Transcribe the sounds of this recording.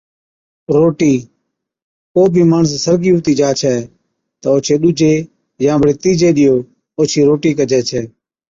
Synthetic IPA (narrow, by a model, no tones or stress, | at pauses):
ɾoːʈiː | koːbʱiːmaːɳs̬ːəɾɡiːʊːt̪iːd͡ʒaːt͡ʃʰɛː | t̪əːoːt͡ʃʰeːɗuːd͡ʒeː | jãːbɽeːt̪iːd͡ʒeːɗɪjoː | oːt͡ʃʰiːɾoːʈiːkəd͡ʒʱɛːt͡ʃʰɛː